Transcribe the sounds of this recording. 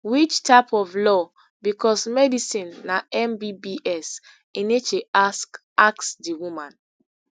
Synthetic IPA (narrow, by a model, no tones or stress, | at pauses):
wit͡ʃtʰapɔvlɔ | bikʰɔsmɛdisĩnːaɛmbibiʔɛs | inet͡ʃeʔask | ʔaksdiwumãn